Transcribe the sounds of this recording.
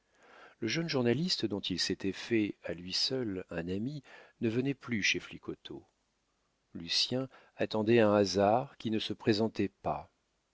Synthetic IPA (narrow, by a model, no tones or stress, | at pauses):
ləʒənʒuʁnalist̪d̪ɔ̃t̪ʰilset̪ɛfɛalɥisœlɛ̃naminəvənɛplyʃeflikɔt̪ʰo̰ | lysjɛ̃ | at̪ɑ̃d̪ɛɛ̃azaʁkʲinəsəpχezɑ̃t̪ɛpa